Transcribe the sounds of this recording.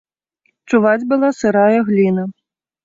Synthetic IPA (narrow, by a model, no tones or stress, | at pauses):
t͡ʂuvad͡zʲbɨlˠasɨɾajɐɣlʲinɐ